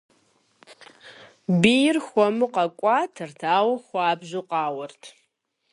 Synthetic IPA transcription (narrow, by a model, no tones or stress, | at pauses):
bijɪrxʷɔmɨqɐkʷʼɑːtʰɨrtʰaːwɐxʷɑːbʑuqɑːwɐrtʰ